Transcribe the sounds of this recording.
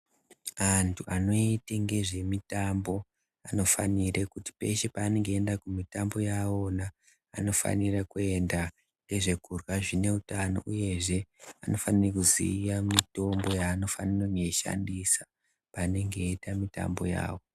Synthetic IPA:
antʰuʔano̞iteŋɡe̞ʐe̞mitambo̞ | ano̞faniɾekuti̥pe̞ʃe̞paːne̞ŋɡe̞ːndakumitambo̞jawo̞naː | no̞fa̰nirakue̞nda | ŋɡe̞ʐe̞kurwaʐine̞utano̞̰ʔuje̞ʐe̞ano̞fanirekuzḭːjamito̞mbo̞jaːno̞fanireŋɡeʃa̰ndisḁ | paːne̞ŋɡe̞itamita̰mbo̞ja̰ːwo̞

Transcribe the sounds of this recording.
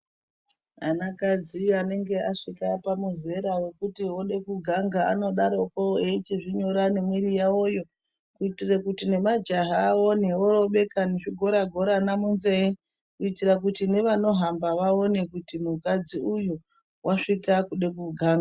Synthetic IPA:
ɦa̰nakad͡ziane̞ŋɡe̞aʂikapamuze̞ɾawe̞kutioɗe̞kuɡʱaŋɡaano̞ɗaɾo̞koeit͡ʃiʐiɲo̞ɾane̞mwiɾijao̞jo̞ | kuitirekutine̞mad͡ʒaɦaːoneoroɓe̞kaneʐiɡʱo̞ɾaɡʱo̞ɾanamunzei | kuitirak̬utine̞ʋano̞ɦambaʋao̞ne̞kutimukad͡ziujo | wʔaʂikakuɗe̞k̬uɡʱaːŋɡa

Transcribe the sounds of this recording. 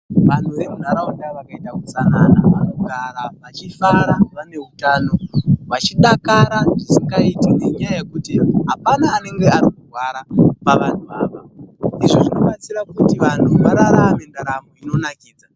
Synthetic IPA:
ʋan̤uʋe̞mun̤aɾaundaʋakaitakusananaʋanoɡʱaɾaʋat͡ʃifaɾaʋane̞ɦutaːno̞ʋat͡ʃiɗakaɾaʐisiŋɡaitineɲajajekutiɦapanaːne̞ŋɡe̞aɾikurwaɾapaʋan̤uʋaːʋaiʐoʐino̞ɓat͡siɾakutiʋan̤uʋaɾaɾame̞ndaɾamoino̞nakiːd͡za

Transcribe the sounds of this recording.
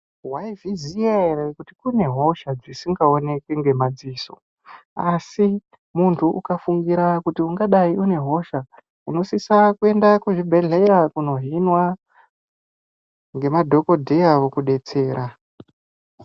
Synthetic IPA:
waiviziaerekutikune̞ɦoʃad͡zisiŋɡao̞ne̞keŋɡe̞mad͡ziːso̞ | asi | muntʰuʔukafuŋɡiɾakutiuŋɡaɗaiʔune̞ɦo̞ʃa | uno̞sisakue̞ndakuʐibʱe̞ɮeɾakuno̞ɦinwa | ŋɡe̞madʱo̞ko̞dʱejaʋokuɗe̞t͡se̞ːɾa

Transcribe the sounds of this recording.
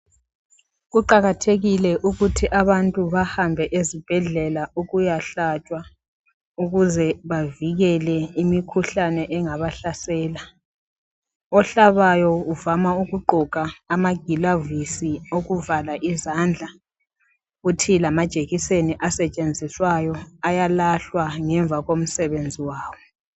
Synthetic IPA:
ɣuǃaɣatʰeɣilɛʔuɣutʰiʔaβantʼuβahambʱɛʔezib̥ʱɛɮɛlauɣujaɬat͡ʃʼwa | uɣuzɛβaviɣɛlɛimikʰuɬanɛʔɛŋaβaɬasɛːla | ɔɬaβajɔuvamauɣuɡ͡ǃʱɔkʼaːmaɡ̥ʱilavisioɣuvalaʔizand͡ɮʱa | utʰilamad̥ʒ̥ʱʼeɣiseniʔasɛt͡ʃʼend͡zʱiswajɔajalaɬwaŋɛɱb̪vʱaɣom̩sɛβend͡zʱiwaːwɔ

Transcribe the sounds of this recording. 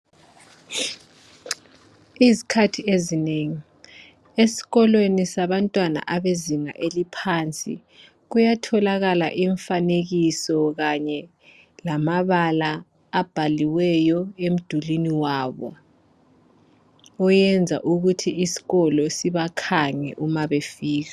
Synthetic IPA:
izikʰatʰiezineŋi | esi̥ɣɔlwenisaβantʼwana̰ʔaβeziŋa̰ʔelipʰaːnt͡sʼḭ | ɣ̬ujatʰɔlaɣala̰ʔiɱfaneɣ̬isɔɣaɲɛ | lamaβalaː | b̥ʱaliwɛjɔem̩d̥ʱuliniwaβɔ̰ | ɔjɛnd͡zʱa̰ʔuɣutʰiisi̥ɣɔlɔsiβakʰaŋɛ̰ʔumaβefiːɣ̬a

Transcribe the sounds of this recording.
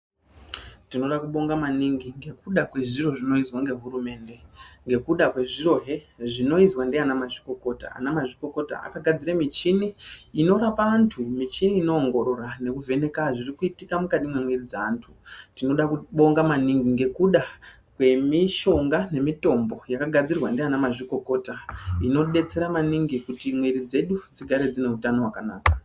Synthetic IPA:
tino̞ɗakuɓo̞ŋɡamaniŋɡiŋɡe̞kuɗakwe̞ʐiro̞ʐino̞izwaŋɡe̞ɦuɾume̞ːnde̞ŋɡe̞kuɗakwe̞ʐiro̞ɦe̞ | ʐino̞izwandeanamaʐiko̞ko̞ta̰a̰namaʐiko̞ko̞ta̰a̰kaɡʱad͡ziɾamit͡ʃiniːno̞ɾapaːntʰumit͡ʃiniːno̞ːŋɡo̞ɾo̞rane̞kuve̞ne̞kaʐirikuitikamukaɗimwemwerid͡zaːntʰutino̞ɗakuɓo̞ŋɡamaniŋɡiŋɡe̞kuɗa | kwe̞miʃo̞ŋɡane̞mito̞mbo̞jakaɡʱad͡zirwandeanamaʐiko̞ko̞ːtaino̞ɗe̞t͡se̞ɾamaniŋɡikutimwiɾid͡ze̞ɗud͡ziɡʱaɾe̞d͡zine̞utano̞wakana̰ːka

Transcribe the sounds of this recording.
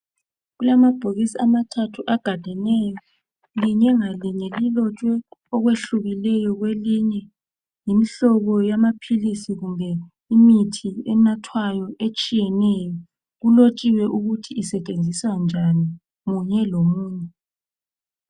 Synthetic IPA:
ɣulamab̥ʱoɣisiamatʰatʰuʔaɡ̥ʱad̥ʱɛnɛjɔ | liɲɛŋaliɲɛlilɔt͡ʃʼwɛɔɣweɬuɣilɛjɔɣweliɲɛ | jimiɬɔɣɔjamapʰilisiɣumbʱɛ | imitʰiɛ̰natʰwajɔʔet͡ʃʼijɛnɛjɔ | ɣulot͡ʃʼiwɛʔuɣutʰiːsɛt͡ʃʼend͡zʱiswand͡ʒʱani | ɣuɲɛlomuːɲɛ

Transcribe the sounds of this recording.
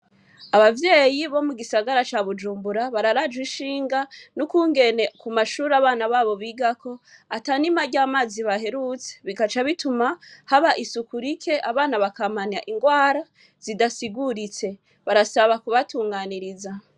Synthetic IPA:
aβavje̞ːjiβo̞muɡisaɡaɾat͡ʃaβud͡ʒuːmbuɾaβaɾaɾad͡ʒwiʃiːŋɡanukuːŋɡe̞ne̞kumaʃuːɾaβaːnaβaːβo̞βiɡakʰo̞atanimaɟaːmaːziβahe̞ɾut͡se̥βiɡat͡ʃaβitumahaβaʔisukuɾikʰe̞ʔaβaːnaβakamanaʔiŋɡwaːɾa | z̥idasiɡuɾit͡se̞ | βaɾasaβakuβatuːŋɡaːniɾiza

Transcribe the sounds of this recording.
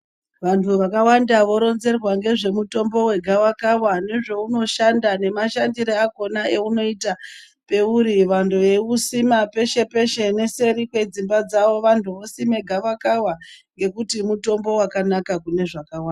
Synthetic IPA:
ʋantuʋakawandaʋo̞ɾo̞nze̞rwaŋɡe̞ʐe̞muto̞mbo̞we̞ɡʱawakawane̞ʐo̞uno̞ʃandane̞maʃandiɾeaɡo̞nae̞uno̞ita | pe̞uɾiʋandʱueusimape̞ʃe̞pe̞ʃe̞ne̞se̞ɾikwe̞d͡zimbad͡zaʋo̞ʋantʰuʋo̞simeɡʱaʋakawaŋɡe̞kutimuto̞mbo̞wakanakakune̞ʐakawaːnda

